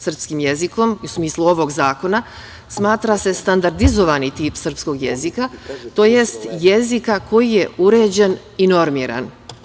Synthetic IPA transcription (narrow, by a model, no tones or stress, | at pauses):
sr̩pskimje̞ziko̞miusmiːslˠuo̞ʋo̞ɡzaːko̞na | smaːt̪ɾase̞st̪and̪aɾd̪izo̞ʋanit̪iːpsr̩psko̞ɡje̞̰zikat̪o̞ːjest̪jezikako̞jije̞uɾe̞ːd͡ʑe̞n | ino̞ɾmiːɾa̰n